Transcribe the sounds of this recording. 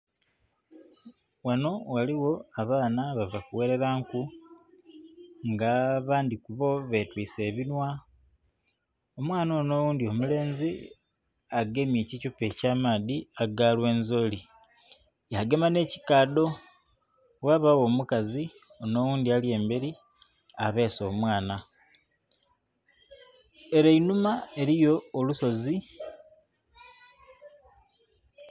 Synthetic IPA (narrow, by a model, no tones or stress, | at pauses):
wano̞waliwo̞aβaːnaβavakuwe̞ɾe̞ɾaːŋku | ŋɡaːβaːndikuβo̞βe̞twiːse̞ːβinwa | o̞mwaːnoːno̞ːwuːndio̞mule̞ːnzi | aɡe̞mjeːcicupe̞caːmaːdiaɡalwe̞ːnzo̞li | jaɡe̞mane̞ːci̥kaːdo̞ | waːβawo̞ːmukazi | o̞no̞ːwuːnd̪ialje̞ːmbeɾi | aβe̞ːso̞ːmwaːna | e̞ɾainumae̞ɾijo̞ːluso̞zi